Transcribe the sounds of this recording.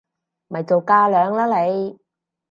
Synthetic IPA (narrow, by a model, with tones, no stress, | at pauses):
mɐ˨˩jt͡so˨wkaː˧lœː˨˧ŋlaː˥le˨˧j